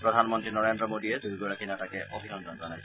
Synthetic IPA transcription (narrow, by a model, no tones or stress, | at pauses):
pɹɔdʱanmɔntɹinɔɹendɹɔmodijɛdʱuɡoɹakʰinatakɛʔobʱidɔndɔnzɔnajsɔ